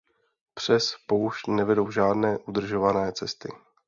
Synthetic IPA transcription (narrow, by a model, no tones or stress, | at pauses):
pr̝̥ɛspouʃnɛvɛdo̞wʒaːdnɛːʔudr̩ʒo̞vanɛːt͡sɛst̪ɪ